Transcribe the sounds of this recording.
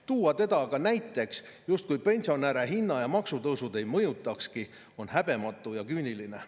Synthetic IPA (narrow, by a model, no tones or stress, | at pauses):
t̪uːɑt̪e̞d̪̥ɑkɑnæjt̪ːˑe̞ksjust̪̚kujpe̞nʲsio̞næɾe̞ɦinːɑjɑmɑksut̪ɤwsud̪e̞jmɤjut̪ːˑɑkski | o̞nhæb̥e̞mɑt̪ːˑujɑkyːnʲiline̞